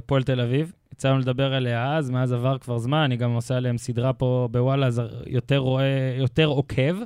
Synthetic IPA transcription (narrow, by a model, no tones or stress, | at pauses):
polt̪elavivjat͡sanuled̪abe̞ʁeleaazmeazavaʁkvaʁzmananiɡamosaeleemsid̪ʁapo̞bewalazajot̪eʁoejot̪e̞ʁo̞kʰev